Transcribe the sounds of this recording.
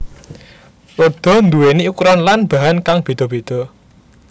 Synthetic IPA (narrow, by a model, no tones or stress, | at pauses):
rod̪̥ɔ̤nd̪uweniukuɾanlanb̥a̤ɦankaŋb̥e̤d̪̥ɔ̤b̥e̤d̪̥ɔ̤